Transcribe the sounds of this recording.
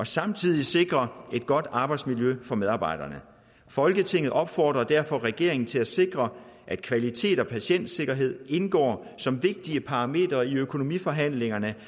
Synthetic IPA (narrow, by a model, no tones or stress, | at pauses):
ɒ̽sɑ̈mt͡sʰið̞̰ˠise̝ɡ̥ʁɐe̝d̥̚ɡ̥ɒ̽d̥ɑ̈ːb̥ɑ̈ɪd̥smiljøfɒ̽meðˠɑ̈ːb̥ɑ̈ɪd̥ɐnə | fɒ̽lɡ̥ət͡sʰe̝ŋ̰ð̩ˠʔɒ̽b̥fɒ̰ːd̥ʁɐd̥æɐ̰fɒ̽ʁɛɡ̥e̝ɐe̝ŋn̩t͡sʰe̝læse̝ɡ̥ʁɐ | ʔæd̥kʰʋælit͡sʰe̝̰ːd̥ɒ̽pʰæɕen̰d̥se̝ɡ̥ɐɦe̝ð̞̰ˠe̝nɡ̥ɒ̰ː | sɒ̽mʋe̝ɡ̥̚d̥iəpʰɑ̈ʁɑ̈me̝̰ːd̥ʁɐiøkʰo̝no̝mḭːfɒ̽ɦæn̰le̝ŋɐnə